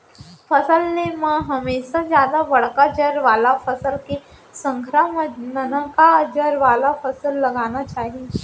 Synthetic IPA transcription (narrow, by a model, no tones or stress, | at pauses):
fəsəlneməɡɦəmesad͡ʑjad̪aʋəɽkad͡ʑəɾʋalafəsəlke | səŋkʰɾaməd̪nənkad͡ʑəɾʋalafəsəlːəɡañat͡ɕaɦi